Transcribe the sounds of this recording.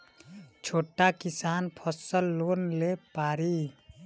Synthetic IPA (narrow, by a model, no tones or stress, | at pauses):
t͡ʃʰoːʈːakisaːnpʰəsəlːoːnlepaːɾi